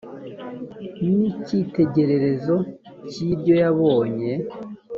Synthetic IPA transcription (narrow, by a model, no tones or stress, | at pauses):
nicite̞ɟe̞ɾe̞ɾe̞zo̞ | ciːɾɟo̞jaβo̞ːɲe̞